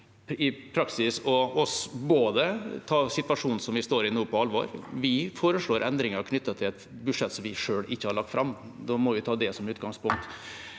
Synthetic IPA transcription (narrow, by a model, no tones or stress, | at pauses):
ɪpʰɾɑksɪsɔɔsboːd̪ət̪ʰɑːsɪt̪ʋɑʂuːnn̩sɔmʋɪst̪oːɾɪnuːpʰɔɑlːʋɔ̰ːɾʋɪfoːɾəʂɭoːɾʔɛnd̪ɾɪŋəɾkʰnʏt̪ːət̪ʰɪlɛt̪ | bʉʂɛt̪sɔmʋɪʂøːɽɪçːəhɑɾɭɑk̚t̪fɾʔɑmː | d̪ɔmɔʋɪt̪ʰɑːd̪ɛsɔmʉːt̪ɡɑŋspʊŋk̚t̪